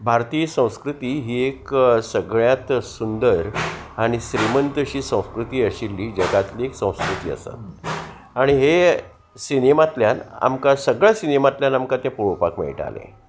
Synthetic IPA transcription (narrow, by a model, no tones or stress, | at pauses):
bʱaɾt̪iːjsə̃w̃skɾut̪iːɦiːeksəɡɭjãt̪sund̪əɾaɽ̃iɕɾimənt̪əɕiːsə̃w̃skɾut̪iːəɕilːiːd͡ʑəɡat̪liːeksə̃w̃skɾut̪ḭːə̰sə̰t̪̚ | aɽ̃iɦe | sinemat̪ljana̰mkasəɡɭjasinemat̪ljanamkat̪jãpuɾəpakmḛɭʈa̰lḛ̃